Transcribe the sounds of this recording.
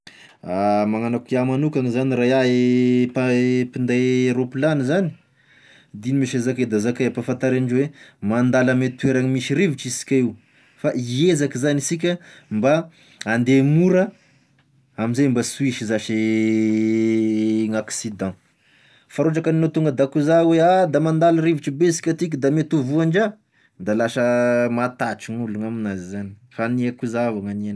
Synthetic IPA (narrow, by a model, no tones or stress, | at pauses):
amaŋanakiamanukaŋizaniɾajaepapind̪ajɾoplanizani̥ | d̪inimiʃezaked̪azakaapafant̪aɾaɳɖ͡ʐwemand̪alamet̪ueɾaŋimiʃiɾiviʈ͡ʂisi̥kʲaiw | faʔiezakizanisik̬ʲəmba | and̪emuɾə | amizembasuiʃizaʃi | ŋaksid̪ɑ̃ | faɾoʈ͡ʂakəninot̪uŋɡəd̪akuzawead̪amand̪aləɾiviʈ͡ʂibesi̥kʲat̪ik̬ʲəd̪amet̪uvuaɳd͡ʒa | d̪alaʃəmat̪aʈ͡ʂiŋuluŋaminazizani̥faniakuzavaŋanen